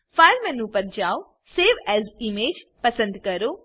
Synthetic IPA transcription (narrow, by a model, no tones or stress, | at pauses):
fʰɐɾmɛ̃ːnũːpɐɾd͡ʒaːw | seːʋɛːzimeːd͡ʒpɐsə̃nd̪kɐɾoː